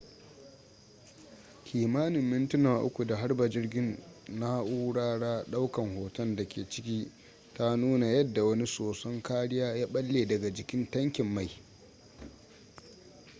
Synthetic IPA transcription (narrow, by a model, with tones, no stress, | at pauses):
kʲʰiː˨maː˦nɪ˨mːɪ˦ntʊ˦naː˨ʔʊ̰˦kʷu˨da˨ɦa˦rba˨d͡ʒɪ˦rɡʲɪ˦nːa˦ʔuː˦ɽaː˦ɽaː˦ɗa˦wkɐ˨ŋhoː˨tɐ˦nda˨kʲeː˨t͡ʃɪ˦kʲiː˦ | ta˦nuː˦na˨jɐ˦dːa˨wɐ˦ni˦soː˨sɐ˦ŋkaː˦ɽɪ˦jaː˦jaː˦ɓɐ˦lːeː˨dɐ˨ɡa˨d͡ʒɪ˨kʲɪ˦ntɐ˦ŋkʲɪ˨mːa˨j